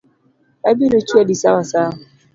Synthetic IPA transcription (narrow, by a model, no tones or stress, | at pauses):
abinot͡ʃuadisawasaɦʊ